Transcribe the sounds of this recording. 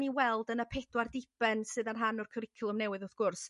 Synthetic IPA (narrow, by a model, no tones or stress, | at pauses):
niwɛlˠdənəpʰɛdwardɪb̥ɛnsɨːðanɦanʊrkʰəɾɪkʰɪlˠɔmnɛwɨðʊθɡ̥ʊrs